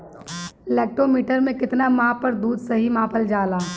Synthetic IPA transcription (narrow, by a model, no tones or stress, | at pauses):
ɪlɛːk̚ʈɾomiːʈəɾmẽkɪt̪namãːpɐɾd̪uːd̪sɐɦimãːpʰəld͡ʒaːlaː